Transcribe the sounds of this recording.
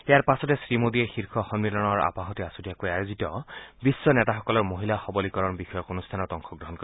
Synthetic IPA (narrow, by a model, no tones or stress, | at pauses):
ejaɹpasɔtɛsɹimodiɛxiɹxʰɔxɔnmilɔnɔɹa̰paɦɔtiasutiakojajozitɔbisːɔnɛtaxɔkɔlɔɹmoɦilaxɔbɔlikɔɹɔnbixɔjɔkonustʰanɔtɔŋxʰɔɡɹɔɦɔnko